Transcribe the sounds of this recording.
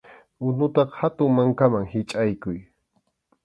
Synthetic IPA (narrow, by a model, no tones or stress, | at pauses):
ʊnʊt̪ɑχhat̪ʊŋmaŋkamaŋhɪt͡ʃʼajkʊj